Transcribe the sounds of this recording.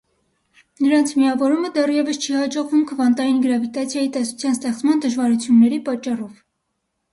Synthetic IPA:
nəɾɑnt͡sʰmiɑvɔɾuməd̪ɛrjɛvəst͡ʃʰihɑd͡ʒɔʁvumkʰəvɑnt̪ɑjinɡəɾɑvit̪ɑt͡sʰjɑjit̪ɛsu̥t͡sʰjɑnst̪ɛχt͡smɑnd̪əʒvɑɾut͡sʰjunːɛɾipɑt͡ʃːɑrɔv

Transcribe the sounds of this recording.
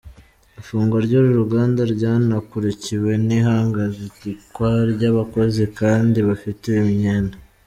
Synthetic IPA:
ifuːŋɡoɾɟoːɾuɾuɡaːndaɾɟaːnakuɾeciwe̞niɦaːŋɡazitikwaɾɟaβako̞zikaːndiβafiteimɲena

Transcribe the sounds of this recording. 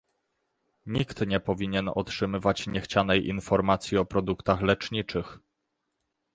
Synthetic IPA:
ɲikt̪ɲɛpɔvʲiɲɛnɔ̰tʂɘmɘvat͡ɕɲɛxt͡ɕanɛjʔinfɔɾmat̪sʲjiɔpɾɔd̪ukt̪axlɛt͡ʂɲit͡ʂɘx

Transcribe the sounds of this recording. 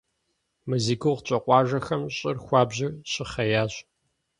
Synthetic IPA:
mɨziɡɨwʁt͡ɕʼɐqʷʼɑːʒɐxɐmɕʼɪrxʷɑːbʑɪrɕʼɪχɐjaːɕʼ

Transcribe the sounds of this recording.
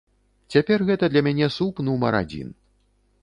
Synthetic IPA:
t͡sʲapʲɛrɣɛt̪ɐd̪lʲɐmʲanʲɛsupnumɐ̰ɾa̰d͡zʲḭn

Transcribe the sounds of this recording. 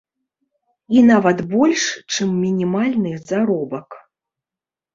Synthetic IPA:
inavɐt̪bɔlʲʂt͡ʂɨmːʲinʲimalʲnɨzaɾɔbɐk

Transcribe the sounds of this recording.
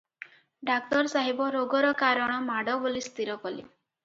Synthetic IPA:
ɖak̚t̪ɔɾsaɦibɔɾoɡɔɾɔkaɾɔɽ̃ɔmaɽɔbolist̪ʰiɾɔkɔlḭ

